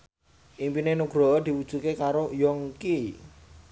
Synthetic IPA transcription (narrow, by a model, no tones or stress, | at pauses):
ʔimpinenuɡ̥ɾɔ̤ɔd̪̥i̤wud̥ʒ̥ṳkekaɾojɔŋki